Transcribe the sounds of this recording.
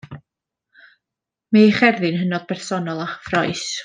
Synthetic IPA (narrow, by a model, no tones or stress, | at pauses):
maχɛrðɨnɦənɔðpʰɛrsɔnɔlˠaχfrɔjs